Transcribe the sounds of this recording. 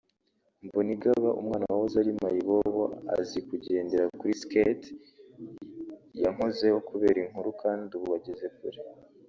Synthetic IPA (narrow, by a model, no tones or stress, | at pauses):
mboniɡaβaʔṵmŋaːnawahozaɾimajiβoβoa̰zikuɟeːndeɾakuɾisket | jaŋoze̞ho̞kuβe̞ːɾiŋ̥uɾukʰaːnduβuβaɟeze̞kuɾe